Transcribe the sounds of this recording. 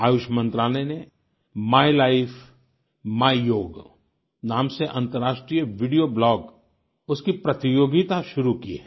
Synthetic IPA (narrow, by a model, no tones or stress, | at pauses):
aːjʊʃmɐ̃nt̪ɾaːlɛne | maːilaːɪfʰ | maːijoːɡ | naːmseʔɐ̃nt̪əɾaːʃʈɾijəʋɪɖijoblɔːɡ | ʊskipɾɐt̪ɪjoːɡit̪aʃʊɾuki